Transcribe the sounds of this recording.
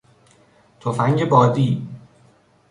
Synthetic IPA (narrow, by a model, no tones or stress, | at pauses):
t̪ʰofæŋɡebɒːd̪iː